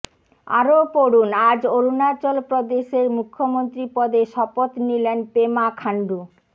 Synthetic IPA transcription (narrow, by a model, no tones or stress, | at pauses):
a̰ɾopoɽunad͡ʑoɾunat͡ɕolpɾod̪eʃeɾmukʰːomont̪ɾipɔd̪eʃɔpot̪nilenpemakʰaɳɖu